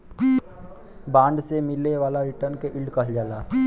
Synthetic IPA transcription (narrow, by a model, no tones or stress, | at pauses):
bãːɳɖsemɪleʋaːlaɾɪʈəɾnkeʔɪlɖkəɦld͡ʒaːlaː